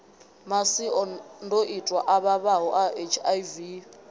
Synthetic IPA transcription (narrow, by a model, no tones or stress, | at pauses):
masiɔndʱoʔitʼwaʔaβaβaɦɔʔaet͡ʃʰajvi